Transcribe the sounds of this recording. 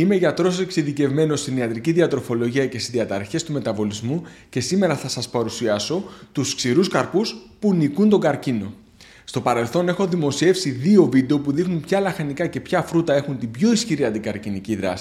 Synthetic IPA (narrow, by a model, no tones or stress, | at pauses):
ime̞ʝɐt̪ɾo̞soseksinðice̞vme̞no̞st̪iniɐt̪ɾiciðiɐt̪ɾo̞fo̞lo̞ʝiɐcest̪izðiɐt̪ɐɾçe̞st̪ume̞t̪ɐvo̞lizmu | ce̞sime̞ɾɐθɐsɐspɐɾusiɐso̞t̪usksiɾuskɐɾpuspunikunt̪o̞ɡɐɾcino̞ | st̪o̞pɐɾe̞lθo̞ne̞xo̞ðimo̞sie̞fsiðio̞vid̪e̞o̞puðixnunpçɐlɐxɐnikɐce̞pçɐfɾut̪ɐe̞xunt̪ibʝo̞isçiɾiɐnd̪ikɐɾciniciðɾɐ̰si̥